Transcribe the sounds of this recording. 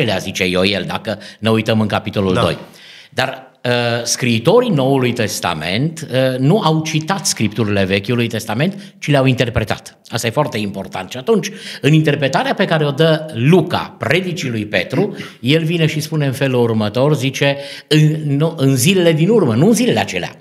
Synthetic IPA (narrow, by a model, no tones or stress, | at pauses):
elea̰zit͡ʃe̞jojḛld̪a̰kəneujt̪əmɨŋkapit̪o̞luldd̪o̞̰j | d̪ar | əskɾiːt̪o̞ɾino̞ulujt̪e̞st̪a̰me̞̰nt̪ənuʔawt͡ʃit̪at̪skɾip̚t̪uɾile̞ve̞kʲulujt̪e̞st̪ame̞nt̪ | t͡ʃileawint̪e̞rpɾe̞t̪a̰t̪ | ast̪aje̞foart̪e̞impo̞rt̪a̰nt̪ʃiat̪unt͡ʃʲɨnint̪e̞rpɾe̞t̪aɾeape̞kaɾe̞o̞d̪əluka̰pɾe̞d̪it͡ʃilujpe̞̰t̪ɾuje̞lvineʃispune̞ɨnfe̞lurmət̪o̞rzit͡ʃe̞ɨnnuʔɨnzile̞le̞d̪inurmənuɨnzile̞leat͡ʃe̞lea̰